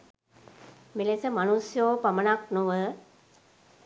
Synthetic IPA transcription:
milesəmanusjoːpɐmənak̚nuʋə

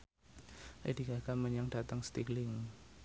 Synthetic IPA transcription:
ʔḛdiɡaɡ̥aməɲaŋd̥at̪aŋst̪iɡlɪŋ

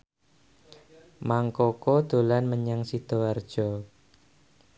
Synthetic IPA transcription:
maŋkokod̪̥o̤lanməɲaŋsid̪̥oard̥ʒ̥ɔ

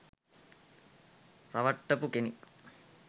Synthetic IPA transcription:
rɐʋɐʈːɐpukenik

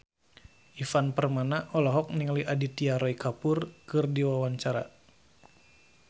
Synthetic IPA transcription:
ʔifanpərmanaʔɔlɔɦɔk̚niŋaliʔadit̪iaɾɔikapʊrkɨrdiwawaɲt͡ʃaɾa̰

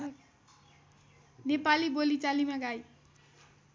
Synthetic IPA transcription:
nepalibolit͡salimaɡaj

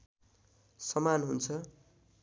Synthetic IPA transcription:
sʌmanɦunt͡sʰʌ

